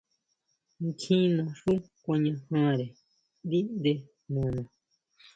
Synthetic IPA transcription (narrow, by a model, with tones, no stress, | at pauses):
kʰĩ˦nã˧ʂu˦ | kʷã˧ɲã˧hã˦ɾe˨ | d̪i˦nd̪e˧ | nũ˨nã˨